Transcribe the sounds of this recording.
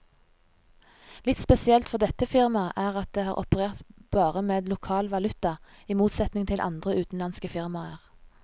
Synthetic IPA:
lɪt̪spɛsɪɛlt̪fɔʁd̪ɛt̪əfɪʁmɑʔæːʁɑt̪̚d̪eːhɑːʁʔɔ̰pəʁeːʁt̪b̥ɑːʁəmeːd̪lʊkʰɑːlʋɑlʉt̪ɑ | iːmuːt̪sɛt̪nɪŋt̪ʰɪlʔɑ̰nd̪ʁəʉːt̪n̩lɑnskəfɪʁmɑəʁ

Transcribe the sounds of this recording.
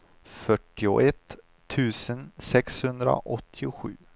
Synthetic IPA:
fœʈːɪʊ̰ʔɛt̪ʰː | ʉ̟ːsənsɛkshɵnd̪ɾa̰ʔɔt̪ʰːɪʊɧʉ̟̰ː

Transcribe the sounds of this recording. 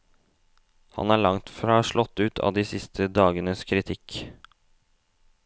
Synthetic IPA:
hɑ̰næːɭɑŋt̪fɾɑːʂɭʔɔt̪ːʉːt̪ʰɑ̰ːd̪iːsɪst̪ʰəd̪ɑːɡənəskʰɾɪt̪ʰɪk

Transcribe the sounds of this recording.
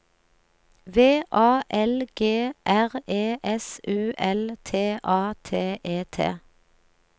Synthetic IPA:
ʋeːʔɑːʔɛlɡ̥eːʔæʁeːʔɛsʉːʔɛlt̪ʰeːʔɑːt̪ʰeːʔeːt̪ʰḛː

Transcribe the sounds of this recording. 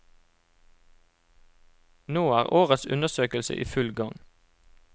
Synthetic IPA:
noːæːʁʔoːʁət̪sʉnəsøːkəlsə̰ʔḭːfʉlɡɑŋ

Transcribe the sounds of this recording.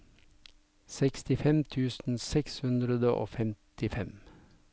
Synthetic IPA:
sɛkst̪ɪfɛmt̪ʰʉːsn̩sɛkshʉnd̪ɾəd̪əʔo̰ːfɛmt̪ɪfɛm

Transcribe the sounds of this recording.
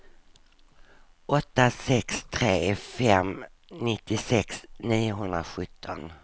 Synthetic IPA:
ʔɔt̪ːasɛkst̪ʰɾeːfɛm | nɪt̪ːɪsɛksniːʊɦɵnd̪ɾa̰ɧɵt̪ʰːɔ̰n

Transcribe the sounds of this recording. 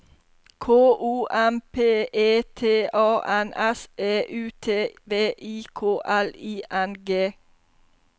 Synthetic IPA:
kʰoːʔuːʔæmpʰeːʔeːt̪ʰeːʔɑːʔænʔɛseːʔʉːt̪ʰeːʋeːʔiːkʰoːʔæliːʔænɡeː

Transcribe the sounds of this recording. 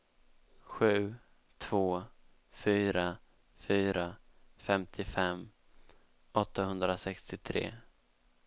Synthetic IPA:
ɧʉ̟ː | t̪ʰv̥oː | fyːɾa | fyːɾafɛmt̪ʰɪfɛmː | ʔɔt̪ːahɵnd̪ɾasɛkst̪ɪt̪ʰɾḛː

